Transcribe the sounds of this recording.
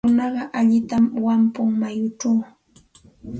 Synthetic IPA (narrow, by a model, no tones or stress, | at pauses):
ʊnɑɢɑʔaʎɪt̪amwampʊŋmajʊʈ͡ʂaw